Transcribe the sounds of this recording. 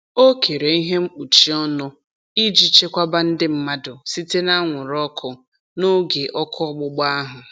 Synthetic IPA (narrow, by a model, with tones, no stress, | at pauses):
o˦kʰe˨ɾe˨i˦ɦe˦m̩˦k͡pu˨t͡ʃi˨˦ɔ˦nʊ˦ | i˦d͡ʒi˦t͡ʃe˦kʷa˦ba˦n̩˦dɪ˦m̩˦ma˦dʊ˨si˦te˦na˦ŋʷʊ˨ɾɔ˦kʰʊ˨ | no˦ɡe˨ʔɔ˦kʰʊ˦ɔ˦ɡ͡bʊ˦ɡ͡ba˦ɦʊ˨